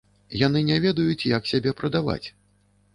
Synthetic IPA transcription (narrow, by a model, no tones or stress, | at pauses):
janɨnʲɛvʲɛd̪ɐjut͡sʲjaksʲabʲɛpɾɐd̪ava̰t͡sʲ